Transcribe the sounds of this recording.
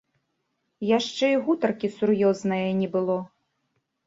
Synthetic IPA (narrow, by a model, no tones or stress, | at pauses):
jaʂt͡ʂɛiɣut̪ɐrkʲisurjɔznɐjɐnʲɛbɨlˠɔ